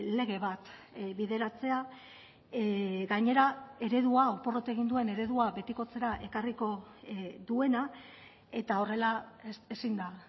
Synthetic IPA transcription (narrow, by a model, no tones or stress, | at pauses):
le̞ɣ̞e̞β̞at̪ | βiðe̞ɾat͡se̞a | ɡaɲe̞ɾae̞ɾe̞ðuaopo̞rot̪e̞ɣ̞ind̪ue̞ne̞ɾe̞ðuaβe̞t̪iko̞t͡se̞ɾaʔe̞kariko̞ðue̞na | e̞t̪ao̞re̞laesesind̪a